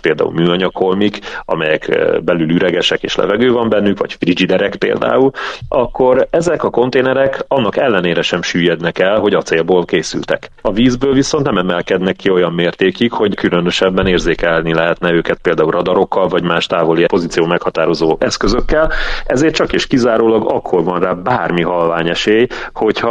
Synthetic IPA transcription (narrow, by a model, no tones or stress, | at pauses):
peːld̪a̰ːṵlmyːɒɲɒkʰo̞lmikɒ̰mɛjɛkːbɛlylyɾɛɡɛʃɛkḛːʃlɛ̰vɛɡøːvɒmbɛnːykvɒ̰cfrid͡ʒid̪ɛɾɛkpḛːld̪a̰ːulɒkːo̞ɾɛzɛkɒko̞nt̪eːnɛɾɛkɒnːɒkɛlːɛneːɾɛʃɛmʃyːjɛd̪nɛkɛlɦo̞ɟɒt̪seːlboːlkeːsy̰lt̪ɛ̰kɒviːzbøːlviso̞nt̪nɛmɛmɛlkɛd̪nɛkːio̞jɒmːeːrt̪eːkikho̞ɟkylønø̞ʃɛbːɛneːrzeːkɛlnilɛɦɛt̪nɛøːkɛt̪̚peːld̪aːulrɒd̪ɒɾo̞kʰːɒlvɒɟmaːʃt̪aːvo̞lipo̞zit̪sijoːmɛkhɒt̪aːɾo̞zoːʔɛskø̞zø̞kːɛlɛzeːrt̪t͡ʃɒkeːʃkizaːɾoːlɒɡɒkʰːo̞rvɒnraːbaːrmiɦɒlvaːɲɛʃeːjho̞chɒ